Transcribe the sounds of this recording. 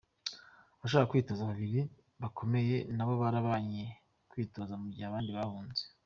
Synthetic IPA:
aβaʃ̬oakakwiːto̞zaβaβiɾi | βakʰo̞me̞je̞naβo̞βaɾaβaɲe | kwiːto̞zamuɟihaβaːndiβahuːnze

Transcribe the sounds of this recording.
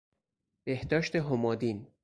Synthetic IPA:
b̥ehd̪ɒːʃt̪e̞ɦomɒːd̪iːn

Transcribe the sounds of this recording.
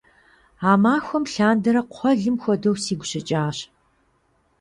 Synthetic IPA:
aːmaːxʷɔmɬaːndɐɾɐqʷʰɔɮɨmxʷɔdɐwsiːɡʷʊɕɪt͡ʃʼaːɕ

